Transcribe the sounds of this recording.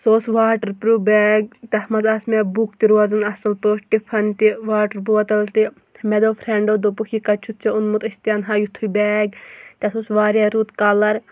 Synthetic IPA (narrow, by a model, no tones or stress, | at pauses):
soːsʋaːʈɐɾpɾuːbɛːɡ̚t̪ɐhmɐzɐsmebukt̪iɾuɐzɨnɐsɐlpoːsʈipʰɐnt̪iʋaːʈɐɾp̬uʋɐt̪ɐlt̪i | mɛd̪oːpʰɾeɳɖoːd̪opukʰikɐt͡ʃʰut̪̚t͡ʃʰiunmut̪ɐsʲt̪ijɐnɦajut̪ʰːubɛːɡt̪ʲɐsoːsʋaːɾjaɾuːt̪kɐlɐɾ